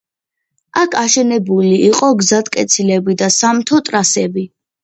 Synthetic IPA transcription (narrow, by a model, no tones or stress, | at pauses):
akʰaʃɛnɛbuliʔiqʼɔɡzat̪ʰkʼɛt̪sʰilɛbid̪asamt̪ʰɔt̪ʼɾasɛbi